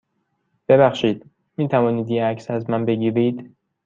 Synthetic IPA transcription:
b̥e̞bæxʃiːd̪̥ | miːt̪ʰævɒːniːd̪jeæcʰsæzmænbe̞ɟiːɾiːd̪

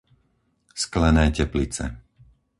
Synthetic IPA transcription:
sklɛnɛːcɛplit͡sɛ̰

